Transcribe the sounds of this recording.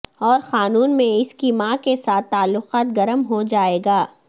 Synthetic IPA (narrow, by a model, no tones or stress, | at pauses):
ɔːɾxaːnuːnmẽɪskimãkesaːt̪ːaːlːʊqaːt̪̚ɡɐɾəmɦod͡ʒaːeːɡaː